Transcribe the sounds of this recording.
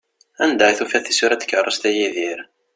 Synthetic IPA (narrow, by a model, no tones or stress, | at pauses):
ænd̪æθufæθisuɾæt̪kːərˤːəst̪æjiðiɾ